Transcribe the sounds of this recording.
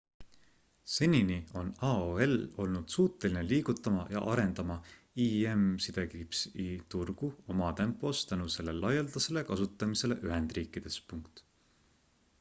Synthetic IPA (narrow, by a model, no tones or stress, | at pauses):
se̞nʲinio̞nɑːoe̞lo̞lnud̪̥suːt̪ːˑe̞lineliːɡ̥ut̪ːˑɑmɑjɑ̰ʔɑɾe̞nd̪̥ɑmɑ | iemsid̪̥e̞kipsit̪urɡ̥uo̞mɑt̪e̞mpːˑo̞st̪ænuse̞le̞lɑjeld̪̥ɑse̞le̞kɑsut̪ːˑɑmise̞le̞ʔyɦe̞nd̪̥riːkːˑid̪̥e̞spuŋkt̪ˑ